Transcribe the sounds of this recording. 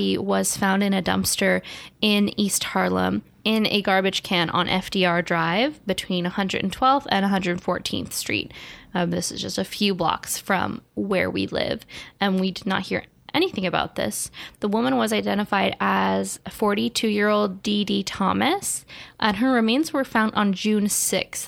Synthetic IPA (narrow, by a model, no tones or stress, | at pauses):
iwʌz̥fãʊ̃ndɨ̃nɨdʌ̰̃mpstə˞ɪ̃nist̚hɑɹlˠə̰̃m | ɪ̃nɨ̰ɡɑɹbɨd̥ʒ̥kʰæ̃ñʔn̩ʔɛ̰fd̥iɑɹdɹaɪvbɨtʰw̥ĩnəhʌ̃ndɹɨ̰ɾn̩tʰw̥ɛlˠvɨ̰̃nəɦʌ̃ndɹɨ˞dn̩fɔ̰ɹtʰḭ̃nθstɹ̥ḭt̚ðɪsɨzd͡ʒʌ̰stɨfjʉblɑ̰ksfɹʌ̰̃mwə̰˞wḭlɪ̰vɨ̃nwidɨdⁿnə̰t̚hḭɹ | ʔɛɾ̃iθɪ̃ŋɨbaʊt̪̚ðɪ̰sðəwʊmə̃nwʌzaɪdɛ̃ɾ̃əfaɪɾəz̥fɔɹɾitʰʉjɪɹoʊlˠddiditʰɑ̰mɨsʔɨ̃nə˞ɹɨmẽɪ̃nzwə˞fãʊ̃ndn̩d͡ʒʉ̃nsɪ̰ks